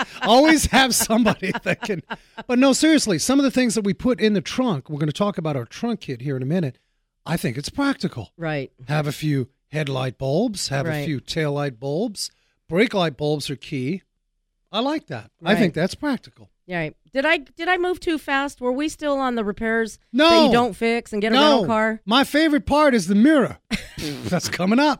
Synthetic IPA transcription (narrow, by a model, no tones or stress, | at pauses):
ɔlˠwiz̥ɨv̥sʌ̃mbɑɾiðɨt̚kʰɨ̃n | b̥ʌt̚ⁿnoʊsɪɹiɨslisʌ̃mʌvðɨθɪ̃ŋzðɨt̚wipʰʊɾɪ̃nðɨtʰɹ̥ʌ̃ŋkwɨɹɡʌnɨtʰɔkəbaʊɾaʊə˞tʰɹ̥ʌ̃ŋkʰɪd̚ɦiɹɨ̃nɨmɪ̃ñɨt̚ | ʔaɪθɪ̃ŋkɨtspʰɹ̥æk̚tɨkl̩ˠɹaɪt̚hɨvɨfjʉ | hɛdˡla̰ɪt̚b̥olˠbz̥hɨvvɨfjʉtʰeɪlaɪt̚b̥olˠbz̥ | b̥ɹeɪklaɪt̚b̥olˠbz̥ə˞kʰi | aɪlaɪk̚ðæ̰t̚aɪθɪ̃ŋk̚ðætspʰɹ̥æk̚tɨ̥kl̩ˠ | ɹaɪt̚d̥ɨɾaɪd̥ɨɾaɪmuv̥tʰʉfæst̚wə˞wistɪlˠə̃nðəɹɨpʰɛɹz̥ | nõʊɨdõʊ̃ntfɪksɨ̃n̩ɡɛɾnooʊ̃kʰɑɹmaɪfeɪvɹɨt̚pʰɑɹɾɨzðɨmɪɹɨ̰ | ðætskʰʌmɪ̃ŋʌp̚